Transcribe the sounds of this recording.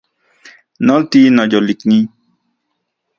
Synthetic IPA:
nɔ̃ltinɔ̃d͡ʒɔliknĩ

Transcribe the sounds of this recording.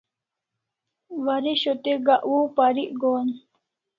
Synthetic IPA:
ʋaɾiɕot̪eɡaʔwuːpaɾiʔɡoːn

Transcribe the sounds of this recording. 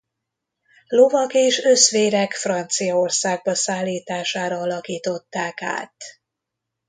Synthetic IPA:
lo̞vɒkeːʃø̞sʋeːɾɛkfrɒnt̪sijɒo̞rsaːɡ̚bɒsaːlːiːt̪aːʃaːɾɒɒlɒkiːt̪o̞t̪ːaːka̰ːt̪

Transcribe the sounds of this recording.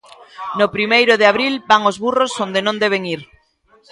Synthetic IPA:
nʊpɾimejɾʊðɪaβɾilbaŋozβurosond̪enõnd̪ɛβ̞eŋiɾ

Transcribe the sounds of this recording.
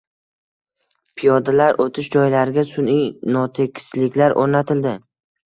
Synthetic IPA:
pʰijɒd̪alaɾʔot̪ʰɪʃd͡ʒɒjlaɾɪɡʲasʊnijnɒt̪ʰekʲʰɪ̥slɪkʲlaɾʔoɾnat̪ʰɪld̪ɪ

